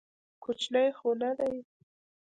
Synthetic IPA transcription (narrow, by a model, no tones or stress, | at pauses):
kʰot͡ʃlajxonad̪aj